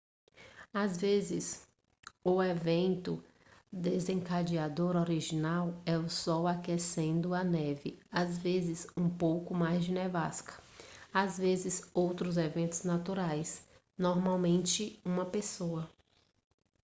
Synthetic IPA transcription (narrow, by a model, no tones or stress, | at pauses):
azvezɪs | ʊevẽnt̪ʊ | d̪ezẽŋkad͡ʒiad̪oɾoɾiʒinawɛʊsɔwakesẽnd̪ʊɐnɛvɪazvezɪzũpowkʊmajzd͡ʒɪnɛvaskɐ̥azvezɪzowt̪ɾʊzevẽnt̪ʊznat̪uɾajs | nɔɾmawmẽnt͡ʃɪũmɐpesoɐ